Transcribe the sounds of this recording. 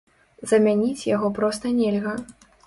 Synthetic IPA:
zɐmʲanʲit͡sʲjaɣɔpɾɔst̪ɐnʲɛlʲɣɐ

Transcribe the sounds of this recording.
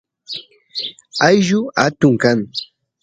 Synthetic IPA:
ajʒʊat̪ʊŋkaŋ

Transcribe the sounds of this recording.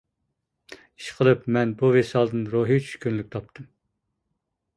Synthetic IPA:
i̥ʃqʰəlˠɨpmɛnbuvesɑlˠd̪ɨnɾoɦit͡ʃʰy̥ʃkʲynlykʲt̪ʰɑp̚t̪ʰɨm

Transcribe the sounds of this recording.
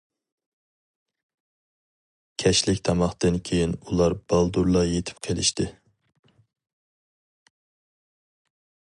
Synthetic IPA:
kʲʰɛʃlɪkʲt̪ʰɑmɑχt̪ɨnkʲʰejinulˠɑɾb̥ɑlˠd̪uɾlˠɑjet̪ʰɪ̥p̚qʰelɪʃt̪ɪ

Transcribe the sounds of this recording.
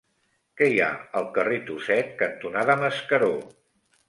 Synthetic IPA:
kɛja̰əlˠkəret̪usɛt̪̚kənt̪unaðəməskəɾo

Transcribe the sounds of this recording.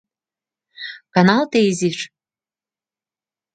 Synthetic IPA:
kɑnɑlt̪eiziʃ

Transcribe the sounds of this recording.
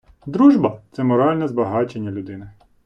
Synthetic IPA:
d̪ɾuʒbɐt̪sɛmɔɾɑlʲnɛzbɐɦɑt͡ʃe̞nʲːɐlʲʊd̪ɪnɪ

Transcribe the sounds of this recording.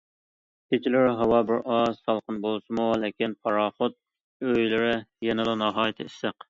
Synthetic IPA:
t̪ʰet͡ʃʰilɪɾɪɦɑwɑbɪɾʔɑzsɑlˠqənbolˠɨʃɪmulɪkʲinpʰɑɾɑːχot̪̚ | øjlɪɾɪjɛnɪd̪ɑnɑɦɑːjɪt̪ʰɨiʃsæq

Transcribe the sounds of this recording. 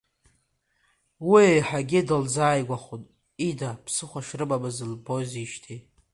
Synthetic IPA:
wiejħaɡʲɪdɨld͡zaːjɡʷaχutʼ | idapʰsɨχʷaʃrɨɓamɨzɨlboziʃtʰi

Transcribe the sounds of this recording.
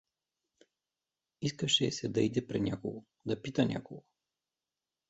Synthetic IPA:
iskəʃɛsɛd̪ɐid̪ɛpɾɛnʲakoɡo | d̪ɐpit̪ɐnʲʔa̰koɡo

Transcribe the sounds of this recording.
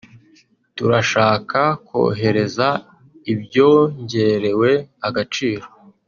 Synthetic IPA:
tuɾaʃaːkʰakwo̞̰ːɦe̞ɾe̞za | ibjo̞ːɲɟe̞ɾe̞we̞aɡat͡ʃiːɾo̞̥

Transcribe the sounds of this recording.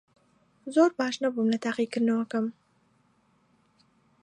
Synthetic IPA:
zoːɾbɑːʃnabumlɐt̪aːqikɨɾnɐwɐkɐm

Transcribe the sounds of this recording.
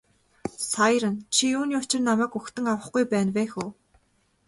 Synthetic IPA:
sajɾə̆nt͡ɕʰiuːnjʊːt͡ɕɪ̆rnamæːkɵxt̪ɘ̆ŋawə̆χɡujpæːnwæːxuː

